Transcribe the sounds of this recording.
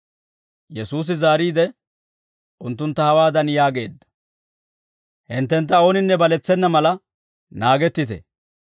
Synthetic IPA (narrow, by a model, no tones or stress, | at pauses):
jɛsuːs̬ɪzaːɾiːd̪ɛ | ʔʊnt̪̬ːʊnt̪ːɐhɐwaːd̪ɐnjaːɡe̞ːd̪ːɐ̥ | hɪnt̪ːɛnt̪ːɐo̞ːnɪnːɛbɐlɛt͡sːɛnːɐmɐlɐ | naːɡɛt̪ːɪt̪ɛ̰